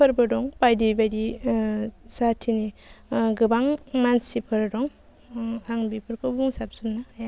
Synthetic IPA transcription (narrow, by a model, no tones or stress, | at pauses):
pʰɯɾbɯdɔŋpajdibajdi | satʰiniɡɯbaŋmansipʰɯɾdɔŋ | aŋbipʰɯɾkʰɯbuŋsap̚sɯmnaja